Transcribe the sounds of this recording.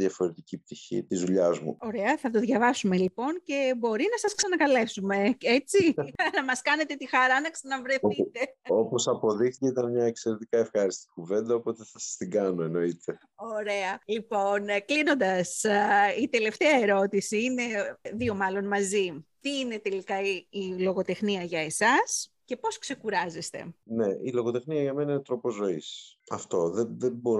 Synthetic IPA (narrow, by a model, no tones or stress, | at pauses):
ðjɐfo̞ɾe̞t̪icip̚t̪içḭt̪izðuʎɐzmṵo̞ɾe̞ɐθɐt̪o̞ðʝɐvɐsume̞lipo̞nce̞bo̞ɾinɐsɐsksɐnɐkɐle̞fsume̞et͡sinɐmɐskɐne̞t̪e̞t̪ixɐɾɐɐnɐksɐnɐvɾeθit̪e̞o̞po̞sɐpo̞ðikt̪iceit̪ɐnmɲɐekse̞ɾe̞t̪ikɐefxɐɾist̪i̥kuve̞nd̪ɐo̞po̞t̪eθɐsɐ̥st̪iɡɐnoeno̞it̪ʰe̞ | oɾe̞ɐlipo̞nklino̞nd̪ɐsit̪e̞left̪eɐe̞ɾo̞t̪isiine̞ðio̞mɐlo̞nmɐzit̪iine̞t̪e̞likɐilo̞ɣo̞t̪e̞xniɐʝɐe̞sɐsce̞po̞skse̞kuɾɐze̞st̪e̞̰ne̞ʔilo̞ɣot̪e̞xniɐʝɐmenɐinet̪ɾo̞po̞zo̞isɐft̪o̞ðeðebo